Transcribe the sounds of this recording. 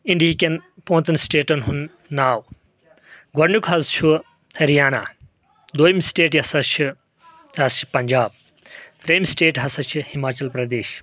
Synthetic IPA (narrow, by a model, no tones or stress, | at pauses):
iɳɖiikenpɐɦũt͡sɐnsʈeːʈɐnɦunː | aːw | ɡɐɽɳukʰɦɐzt͡ʃʰu | hɐɾijaːna̰ː | d̪ojmsʈeːʈjɐsɐt͡ʃʰu | ɐzt͡ʃʰi̥pɐɲd͡ʒaːb̚ | t̪ɾɐjmsʈeːʈɦɐsɐt͡ʃʰuhimaːt͡ʃɐlpɾɐd̪eːʃ